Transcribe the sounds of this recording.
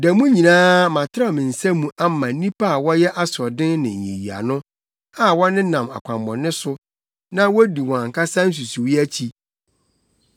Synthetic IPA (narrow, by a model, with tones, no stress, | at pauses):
dɛ˨mũ˦ɲĩ˨nãː˦mã˨tʰɪ˦ɾa˦˨mɪ̃˨n̩˨sæ˦mũ˨ʔa˦mã˨˦nĩ˦pʰa˦a˨wɔ˦jɛ˦ʔa˦sɔ˨dɪ̃˦nnɪ̃˨ḭ̃˨ji˨a̰˨nʊ̃˦ | a˦˨wɔ˦nɪ̃˦nã˨ma̰˨kʷʰã˨mbɔ̃˨nɪ̃˦sʊ˦ | nã˦wɔ˦di˨wɔ̃˨a˨ŋ̩˨kʰa˦sã˦n̩˦s̬u˨su˨wi˦æ˦t͡ɕʰi˦